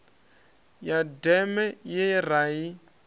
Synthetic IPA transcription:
jadɛmɛjɛraːi

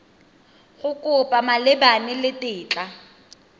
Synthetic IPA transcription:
ɣʊkʼʊpʼamalɪbanɪlɪtʼɪːt͡ɬʼa

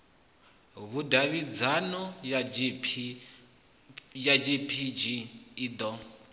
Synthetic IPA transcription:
βudaβid͡zanɔ | jad͡ʒipʰid͡ʒiːd̪ɔ

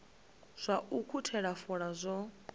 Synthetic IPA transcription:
z̥ʷaukʰutʰɛɺafɔɺazʷɔ

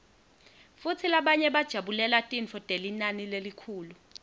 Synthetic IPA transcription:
fut͡sʰilaɓaɲɛɓad̥ʒ̥ʱaɓulɛlatʼint͡fʰɔtʼelinanilelikʰuːlu

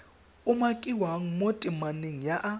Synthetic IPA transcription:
ʊmakʼiwaŋ̩motʼɪmaneŋ̩jaʔa

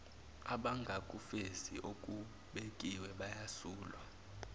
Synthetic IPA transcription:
aɓaŋɡʱakʼufesḭʔok̬ʼu | ɓek̬ʼiwɛɓajasuːlwa

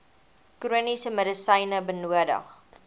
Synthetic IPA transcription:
kruənisəmədəsəjnəbənuədə̰χ

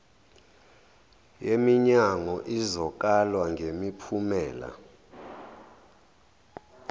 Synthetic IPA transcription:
jemiɲaŋɔʔizɔk̬ʼalwaŋɡʱemipʰumɛːla̰

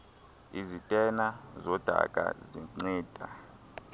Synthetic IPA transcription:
izitʼɛnazɔd̥ʱa̰kʼa̰ziŋ͡ǀiːd̥ʱa

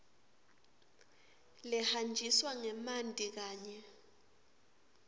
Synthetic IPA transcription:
lɛhand͡ʒʱiswaŋɛmandʱʼik̬aːɲɛ

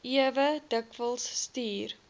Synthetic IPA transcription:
iəvədəkvəlˠsːtiːr

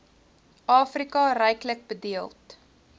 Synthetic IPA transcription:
ʔɑːfrikɐrɛjklək̚bədiəlˠt

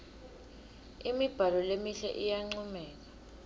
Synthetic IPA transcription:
imib̥ʱalɔlemiɬɛ̰ʔijaŋ͡ǀumɛːk̬ḁ

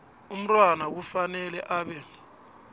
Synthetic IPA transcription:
um̩tʼwanak̬ufanɛlɛʔaːɓɛ

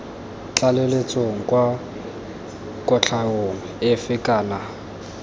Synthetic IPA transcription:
t͡ɬʼalelet͡sʼoŋ̩kʼwa | kʼɔt͡ɬʰaoŋ̩ɪfɪkʼaːna

